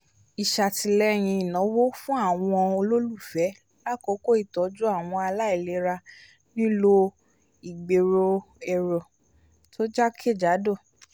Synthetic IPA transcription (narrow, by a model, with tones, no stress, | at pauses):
i˨ʃa˨ti˧lɛ˦˨j̃ĩ˧i˨nɔ̃˨˦wo˦fũ˦a˦˨w̃ɔ̃˧o˧lo˦lu˦˨fɛ˨˦ | la˦˨ko˨˦ko˦i˦˨tɔ˨˦d͡ʒu˦a˦˨w̃ɔ̃˧a˧la˦i˦˨le˨˧˦ɾa˧ | nĩ˦lo˧ | i˨ɡ͡be˨ɾo˧ | ɛ˧˨ɾɔ˨ | tʰo˦d͡ʒa˦kʰe˦˨d͡ʒa˨˦do˦˨